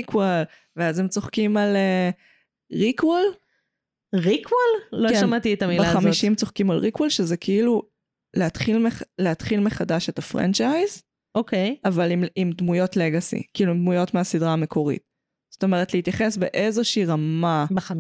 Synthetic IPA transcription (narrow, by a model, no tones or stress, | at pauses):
ikwel | veazemt͡so̞χkimale | ʁikwel | ʁikʰwalloʃamat̪it̪amilbaχamiʃimt͡soχkima̰lʁikwalʃezekʰiilu | leat̪χilmeχleatχilmeχadaʃe̞tafʁa̰nt͡ʃajz | ʔokejavalimimd̪mujo̞tleɡasḭkiiluimd̪mujo̞tmeasidʁaːme̞kʰo̞ʁḭt̚ | z̥oto̞me̞ʁ̞etleit̪jaχe̞sbeʔe̞zo̞ʃiʁamab